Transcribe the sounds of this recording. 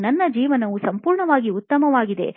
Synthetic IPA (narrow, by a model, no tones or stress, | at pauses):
nɐnːɐd͡ʒiːʋɐnɐʋusɐmpuːɾɳɐʋaːɡiut̪ːɐmɐʋaːɡid̪e̞̰